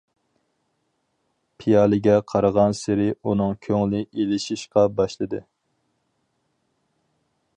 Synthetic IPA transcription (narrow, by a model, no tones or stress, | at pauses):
pʰijɑːlˠɪɡʲɛqʰɑɾəʁɑnsɪɾɪunɨŋkʲʰøŋlɪelɪʃiʃqɑbɑʃlˠɨd̪ɨ